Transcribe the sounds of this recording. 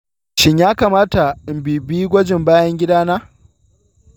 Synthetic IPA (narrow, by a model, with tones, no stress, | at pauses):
ʃɪ˦ɲjaː˦kaː˨maː˦ta˨ɪ˨mbiː˨biː˦ɡʷɔ˦d͡ʒɪ˨mbaː˦jɐ˦ŋɡʲɪ˦daː˦naː˦